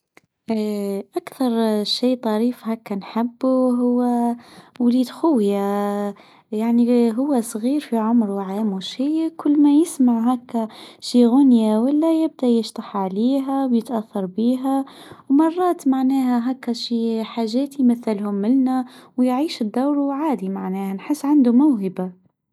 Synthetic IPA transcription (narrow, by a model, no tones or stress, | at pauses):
ʔakθɑɾˤʃiːt̪ˤɑɾiːfhækːænħabːuɦʊwːæwliːd̪xʊwja | jaʕniɦʊwːæsˤɣiːɾfiʕʊmɾwʕaːmwʃiːkʰʊlːmæjɪsmaʕɦækːæʃiːɣʊnjawɪlːæjɪb̚d̪ajɪʃt̪ˤɑħʕaliːɦæwjɪt̪ʔæθːɑɾˤbiːɦæwmɑrˤːɑːt̪maʕnɛːɦæɦækːæʃiːħaːʒæːt̪jmaθːɪlhʊmːɪnnæwjʕiːʃɪd̪ːawɾwʕaːd̪imaʕnɛːhænħɪsːʕand̪umʊwɦɪba